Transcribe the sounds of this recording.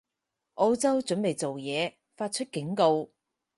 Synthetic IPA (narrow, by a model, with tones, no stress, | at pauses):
ʔo˧˥wt͡sɐ˥wt͡ʃɵ˨˥npe˨˩jt͡so˨wjɛː˨˧ | faː˧t̚t͡ʃʰɵ˥t̚kɪ˨˥ŋko˧w